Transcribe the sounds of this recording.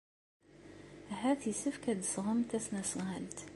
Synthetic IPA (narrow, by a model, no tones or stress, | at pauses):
æɦæθjisəfkæd̪sˤʁəmt̪æsnæsʁælt̪